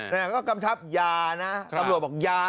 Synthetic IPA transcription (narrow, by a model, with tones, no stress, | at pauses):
naː˧˩kɔː˥˩ka˧mt͡ɕʰa˦˥p̚jaː˧na˦˥a˧ɾu˨˩t̚bɔː˨˩k̚jaː˧